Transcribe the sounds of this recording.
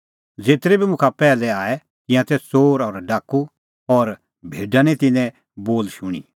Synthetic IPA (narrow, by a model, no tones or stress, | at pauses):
d͡zeːt̪ɾebʱimʊ̃kʰapɛːlɛaːɛ | kɪ̃jãt̪ɛt͡soːɾɔːɾɖaːkːu | ɔːɾ | bʱeːɖãnɛ̃t̪ɪnɛ̃ | boːlʃʊɽ̃ḭ